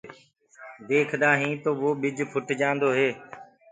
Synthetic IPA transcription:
d̪eːkʰd̪aːɦĩːt̪oːʋoːɓɪd͡ʒʱpʰʊʈd͡ʒãːnd̪oːɦeː

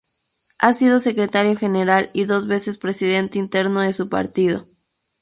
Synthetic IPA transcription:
asið̞o̞se̞kɾe̞t̪aɾjo̞xe̞ne̞ɾaliðo̞zβe̞se̞spɾe̞siðe̞nt̪eint̪e̞ɾno̞ðe̞supa̰ɾt̪iðo̞̰

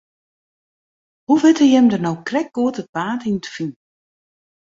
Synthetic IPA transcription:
huʋɪtəjɛmdərnowkrɛk̚ɡ̥uətət̚paːtinətəfin

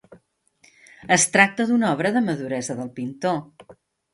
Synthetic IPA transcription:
əst̪ɾak̚t̪əðunɔβ̞ɾəðəməðuɾɛzəðəlˠpint̪o

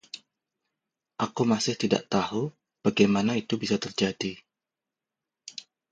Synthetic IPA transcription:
ʔakumasɪht̪ida̰ʔt̪ahu | b̥aɡajmanait̪ubisat̪ərd͡ʒadi

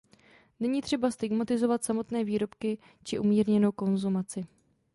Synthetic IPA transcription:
nɛɲiːt̪r̝̥ɛbast̪ɪɡmat̪ɪzo̞vat̪samo̞t̪nɛːviːɾo̞pkɪ | t͡ʃɪʔumiːɾɲɛno̞wko̞nzumat͡sɪ

